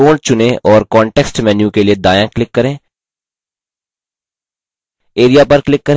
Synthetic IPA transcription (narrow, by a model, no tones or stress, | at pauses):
oːɽt͡ʃʊnẽɔːɾkɔ̃ːɳʈeːksʈmɛːnjũkelied̪aːjãklɪkːɐɾẽː | eːɾijapɐɾklɪkːɐɾ